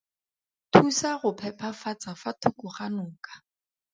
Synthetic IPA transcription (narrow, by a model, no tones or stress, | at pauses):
tʰusaχʊpʰɛpʰafat͡sʼafatʰʊkʊχanʊːkḁ